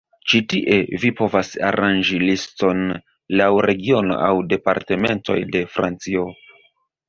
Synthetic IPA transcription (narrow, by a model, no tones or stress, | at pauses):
t͡ʃitiʔe̞vipo̞vasa̰ɾʔand͡ʒilisto̞n | lawɾe̞ɡio̞no̞̰awde̞pa̰ɾte̞me̞ntʰo̞̰jde̞fɾa̰nt͡sio̞